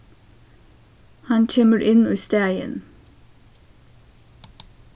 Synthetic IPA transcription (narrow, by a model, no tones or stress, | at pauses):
hɑnc͡çʰɛməɾʔɪnuːst̪eːɪə̰n